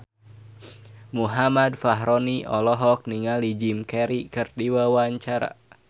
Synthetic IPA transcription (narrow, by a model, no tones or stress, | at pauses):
muɦamadfaɦɾoniʔɔlɔɦɔk̚niŋalid͡ʒimkɛɾikɨrdiwawaɲt͡ʃaɾa̰